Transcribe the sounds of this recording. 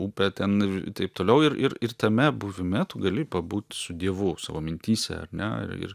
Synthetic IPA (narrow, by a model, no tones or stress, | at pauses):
uːpʲɛt̪ʲɛnt̪ɐɪpt̪oːlʲɛʊɪɾʔɪɾɪrt̪ɐmʲɛbʊʋʲɪmʲɛt̪uːɡɐlʲɪpɐbuːt̪ʲsʊd̪ʲiɛʋʊsɑ̰ʋoːmʲɪnʲt̪ʲiːsʲɛ̰ɐ̰ɾnʲɛɪ̰ɪ̰r